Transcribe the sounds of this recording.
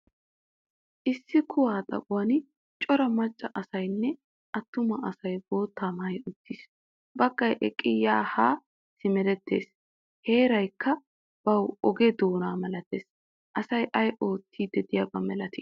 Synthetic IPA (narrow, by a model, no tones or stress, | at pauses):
ʔɪsːɪkʰʊwaːt̪ʼɐ̰kʼʊwɐnɪ | t͡ʃʼɔɾɐmɐt͡ʃʼːɐʔɐsɐjnːɛ | ʔɐt̪ːʊmɐʔɐsɐjbo̞ːt̪ːaːmaːjʊt̪ːiːs | bɐɡːɐjʔɛkʼɪjːaːhaː | sɪmɛlɛt̪ʰːe̞̰ːs | he̞ːɾɐjkːɐ | b̥ɐwʔɔɡɛd̪oːnaːmɛlɐt̪eːs | ʔɐsɐjʔɐjʔo̞ːt̪ːiːd̪ɛd̪ɪjɐbɐmɛlɐt̪i̥